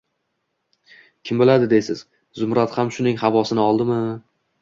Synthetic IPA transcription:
kʲʰɪmbɪlad̪ɪd̪ejsɪz̥ | zʊmɾat̪hamʃʊnɪŋhavɒsɪnɪɒlˠd̪ɪmɪ

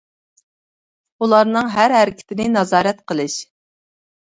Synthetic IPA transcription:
ulˠɑɾnɨŋɦæɾɦæɾɪkʲʰɪ̥t̪ʰɪnɪnɑzɑːɾɛt̪qʰəlˠɨʃ

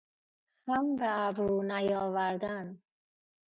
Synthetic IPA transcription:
hambaːbɾuːnajɔːvaɾd̪an

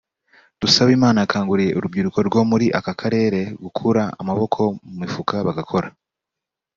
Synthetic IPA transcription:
d̥usaβiːmaːnaːkaːŋɡuɾije̞uɾubɡiːɾuko̞ɾɡo̞muɾiʔakakʰaɾe̞ːɾe̞ɡukʰuɾaa̰maβo̞kʰo̞mumifukaβaɡakʰo̞ɾa

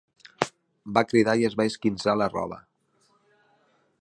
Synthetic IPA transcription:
bakɾiðaiəzβaiskinzalərɔ̰β̞ə̰

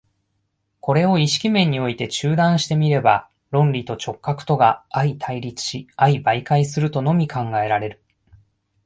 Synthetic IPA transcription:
ko̞ɾe̞o̞iɕi̥kʲimẽ̞ɲ̟ːio̞it̪e̞t͡ɕɨːd̪ãɰ̃ɕi̥t̪e̞mʲiɾe̞ba | ɾõ̞nɾʲit̪o̞t͡ɕo̞kːakɯ̥t̪o̞ɡaːit̪ʰaiɾʲit͡sɨ̥ɕiaibaikaisɨɾɯ̟t̪o̞no̞mʲikʰãŋɡae̞ɾaɾe̞ɾɯ̟

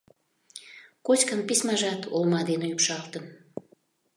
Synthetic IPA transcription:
kot͡ɕʲkənpisʲmɑʒɑt̪ʰolmɑd̪eneypʃɑlt̪ən

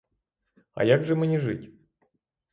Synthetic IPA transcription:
a̰jaɡʐɨmɨnʲɪʐɨtʲ

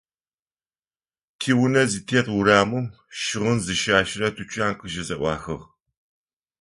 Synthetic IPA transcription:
kʰiːwnɐzitʰeːtwʊɾaːmɨm | ʃɪʁənzɨʃaːʃɪrɐtʰut͡ʃʼaːnqəʒɪzɐʔʷɑ̰ːxɨʁ

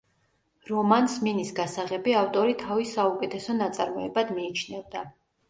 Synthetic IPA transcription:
ɾɔmansminisɡasaʁɛbiaft̪ʼɔɾit̪ʰavisaukʼɛt̪ʰɛsɔnat̪sʼaɾmɔɛbad̪miːt͡ʃʰnɛvd̪a

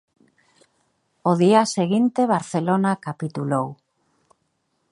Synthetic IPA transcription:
oðiaseɣint̪eβ̞aɾθelonakapit̪ulow

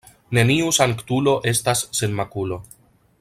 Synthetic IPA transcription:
ne̞niusaŋktulo̞ʔe̞stasːe̞nmakulo̞

